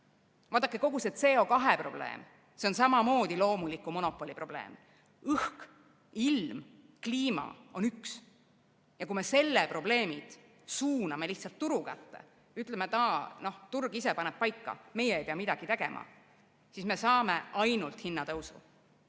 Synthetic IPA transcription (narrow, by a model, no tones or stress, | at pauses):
vɑːt̪ːˑɑkːeko̞ɡ̥uset̪se̞ːo̞kɑɦepro̞̰b̥le̞̰ːm | se̞o̞ns̬ɑmɑmo̞ːd̪̥ilo̞ːmulikːˑumo̞no̞pːˑo̞lʲipro̞b̥le̞̰ːm | ɯhk | ilm | kliːmɑ̰o̞nyks | jɑkume̞se̞lːepro̞ble̞ːmid̪̥ | suːnɑme̞liht̪sɑlt̪ːuɾukæ̰t̪ːe̞̰ | yt̪ˑlemet̪ɑːno̞ht̪urɡ̥ise̞pɑnep̚pɑjkːɑ̰me̞jeejpeɑmid̪ɑɡ̥it̪e̞ɡe̞̰mʔɑ̰ | sisme̞sɑːmḛʔɑjnult̪hinːɑt̪ɤwsṵ